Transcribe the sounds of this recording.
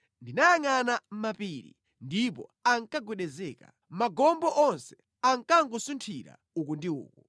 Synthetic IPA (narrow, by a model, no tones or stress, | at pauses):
ndinajaŋanam̩mapiɾḭ | ndipɔ̰aŋkaɡwɛɗɛzɛːka̰ | maɡɔmbɔʔɔnsɛ | aŋkaŋkusuntʰiɾa̰ | ukundiṵːku